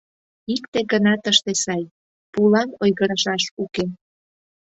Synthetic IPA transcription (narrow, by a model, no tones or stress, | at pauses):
ikt̪eɡənɑt̪əʃt̪esɑj | pulɑnojɣəɾɑʃɑʃuke